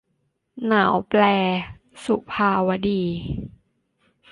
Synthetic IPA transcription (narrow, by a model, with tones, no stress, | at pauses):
naː˩˦wplɛː˧ | su˧˨˩pʰaː˧wa˧diː˧˩